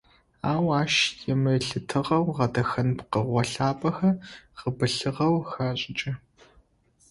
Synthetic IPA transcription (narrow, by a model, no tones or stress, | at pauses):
aːwaːʃjɛmɐɬɨtʰɨʁɐwʁɐdɐxɐnpqəʁʷɔɬaːpʼɐxɐʁəbɨɬɨʁɐwxaːɕʼɪt͡ʃʼɐ